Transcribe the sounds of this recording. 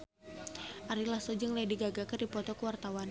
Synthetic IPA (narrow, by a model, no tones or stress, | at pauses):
ʔaɾilahsod͡ʒɨŋlajdiɡaɡakardipɔt̪ɔkəwart̪awan